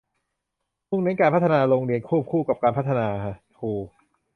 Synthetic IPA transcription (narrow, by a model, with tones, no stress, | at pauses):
mu˥˩ŋna˦˥nkaː˧npʰa˦˥t̪ʰːa˧naː˧ɾoː˧ŋɾi˧ənkʰu˥˩p̚kʰuː˥˩ka˨˩p̚kaː˧npʰa˦˥t̪ʰːa˧naː˧kʰa˦˥˩ʔ | huː˧˩